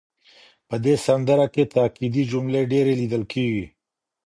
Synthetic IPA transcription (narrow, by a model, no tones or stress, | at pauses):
pəd̪esɐnd̪əɾaket̪aːkid̪id͡ʒumleɖeɾelid̪əlkiːɡi